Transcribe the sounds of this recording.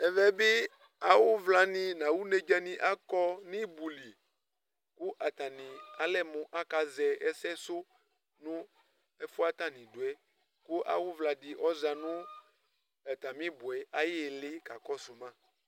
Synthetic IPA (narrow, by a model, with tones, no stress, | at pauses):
ɛ˨vɛ˦bɪ˦ | a˨wʊ˦vla˨nɪ̃˨nã˨wu˦ne˨d͡ʒa˦nĩ˨ʔa˦kɔ˦nĩ˦bu˨li˨ | kʊ˦ʔa˨t̪a˨nĩ˨a˨lɛ˦mʊ̃˨ʔa˦ka˨zɛ˨ɛ˦sɛ˦sʊ˦ | nʊ̃˦ | ɛ˦fʊ˦a˦t̪a˨nĩ˨do˨ɛ˨ | kʊ˦ʔa̰˨wʊ˦vla˨dɪ˨ʔɔ˦za˨nʊ̃˦ | ɛ˨t̪a˨mĩ˦bʊ˨ɛ˨a˦jɪ˦˨lɪ˦ka˨kɔ˦su˨mã˦